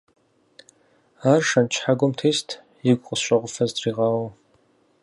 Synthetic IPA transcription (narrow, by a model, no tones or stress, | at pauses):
aːrʂɐnt͡ʃʰħaɡʷʊmtʰeːstʰ | jɪɡʷʼqʼəsɕʷʼɐʁʷʊfɐzdriːʁɑːwɐ